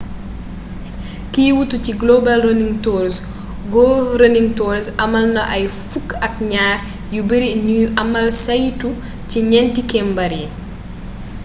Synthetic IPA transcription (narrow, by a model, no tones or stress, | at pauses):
kiːwutuciɡlɔbɐlrəniŋtɔːɾs | ɡɔɾəniŋtɔːɾsɐmɐlnɐʔɐjfukːɐk̚ɲaːr | jubiɾinuɐmɐlsɐjtu | ciɲɛntikɛmbɐɾje